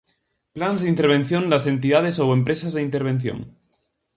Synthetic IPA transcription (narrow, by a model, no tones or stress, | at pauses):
planzðint̪eɾβ̞enθjõnlasent̪̬iðað̞esowempɾesazðeint̪eɾβ̞ẽn̟θjõ̰ŋ